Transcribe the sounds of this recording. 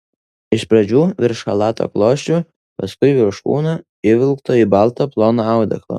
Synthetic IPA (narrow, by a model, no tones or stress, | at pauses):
ɪʃpɾɐd͡ʒʲuːʋʲɪɾʃhɐlˠɑːt̪o̰klˠoːʃʲt͡ʃʲu | pɐskʊɪʋʲɪɾʃkṵːnɐ | ɪʋʲɪlˠkt̪oːibɑlˠt̪oːplˠoːnoɑʊd̪ʲɛ̰klˠo̰ː